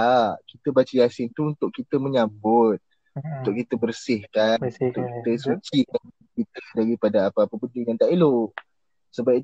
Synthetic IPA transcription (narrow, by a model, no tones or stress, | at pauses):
aʔkit̪əbat͡ʃəjasɪnt̪uunt̪ʊʔkːit̪əməɲambʊt̪̚ | unt̪ʊʔkit̪əbərsɪhkannt̪ʊʔkit̪əsut͡ʃikan | kit̪ədaɾipadaːpəapəbəndɪŋant̪aʔiloʔ | səbap̚i